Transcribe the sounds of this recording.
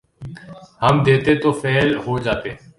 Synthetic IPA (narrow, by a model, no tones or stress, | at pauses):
həmd̪eːt̪et̪oːfɛːlɦoːd͡ʒaːt̪eː